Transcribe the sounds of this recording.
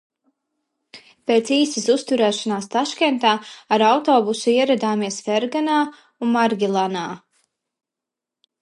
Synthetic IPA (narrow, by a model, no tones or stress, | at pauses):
peːt̪siːsisust̪uɾɛːʃanaːst̪aʃkɛnt̪aːaɾawt̪ɔːbusuiɛɾad̪aːmiɛsfɛɾɡanaː | unmaɾɡʲilˠanaː